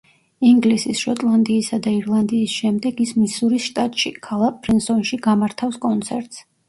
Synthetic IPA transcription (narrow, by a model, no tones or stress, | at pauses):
iŋɡlisisʃɔt̪ʼlˠand̪iːsad̪aiɾlˠand̪iːsʃɛmd̪ɛɡismisuɾisʃt̪ʼat̪ʼʃḭkʰalˠak̚ʼpʰʼɾinsɔnʃiɡamaɾt̪ʰafskʼɔnt̪sʰɛɾt̪ʼs